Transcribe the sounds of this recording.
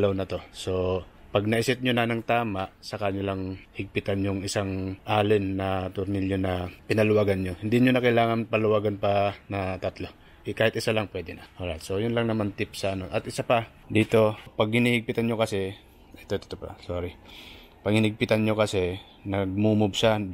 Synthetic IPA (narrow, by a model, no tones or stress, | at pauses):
lɐwnɐt̪o̞so̞pɐɡ̚nɐʔɪsɪt̪̚ɲonɐnɐŋt̪aːmaʔsɐkaɲolaŋhɪɡ̚pɪt̪anɲʊŋɪsaŋʔaːlɪnːɐt̪ʊɾnɪljonɐpɪnɐlʊwaːɡɐnɲohɪnd̪ɪɲonɐkɐjlaːŋɐnpɐlʊwaːɡɐnpanɐt̪ɐt̪lo̞ | kaːhɪt̪̚ʔɪsalaŋpwɛd̪ɪnɐʔoɾat̪so̞jʊnlɐŋnɐmant̪ɪpsɐʔːno̞ʔɐt̪ɪsapa | d̪iːt̪o̞pɐɡ̚hɪnihɪɡ̚pɪt̪anɲokɐsɛ | ʔɛt̪ot̪ɪ̥t̪opa̰soːɾɪ | pɐɡhɪnɪɡ̚pɪt̪anɲokɐsɛ | nɐɡ̚muːmʊbsa